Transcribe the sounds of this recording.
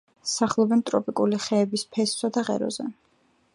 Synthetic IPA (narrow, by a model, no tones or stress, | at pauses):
saχlˠɔbɛnt̪ʼɾɔpʼikʼuliχɛːbispʰɛssad̪aʁɛ̰ɾɔ̰zɛ